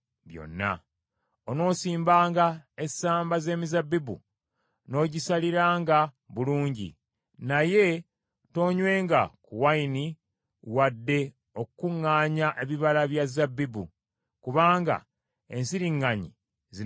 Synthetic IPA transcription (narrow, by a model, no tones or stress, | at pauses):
βjo̞̰nːa̰ | ono̞ːsiːmbaːŋɡaesaːmbaze̞ːmizabibṵ | no̞ːɟisaliɾaːŋɡa | βuluːɲɟḭ | naje̞ | to̞ːɲwe̞ːŋɡa̰kuwaini | wadːe̞ | o̞kukuŋːaːɲaʔeβiβalaβjazabːibṵ | kuβaːŋɡa̰ | e̞nsiɾiŋːaɲḭ | zi